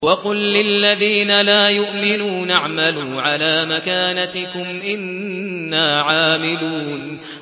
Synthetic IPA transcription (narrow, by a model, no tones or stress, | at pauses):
wɑqʊlːɪlːaðiːnalaːjʊʔmɪnuːnʔaʕmaluːʕalaːmakaːnat̪ɪkʊmʔɪnːaːʕaːmɪluːn